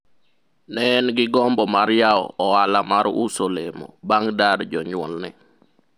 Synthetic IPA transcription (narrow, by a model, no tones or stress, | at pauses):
nɛnɡɪɡɔmbɔmaɾjaɔ̰ɔalamaɾṵsolemɔ̰baŋdaɾd͡ʒɔɲwɔlnɪ